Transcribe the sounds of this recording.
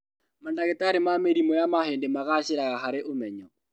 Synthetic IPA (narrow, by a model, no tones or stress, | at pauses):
mandaɣetaɾemameɾimɔjamaheːndemaɣaɕeɾaɣaɦaɾeʔomɛɲɔ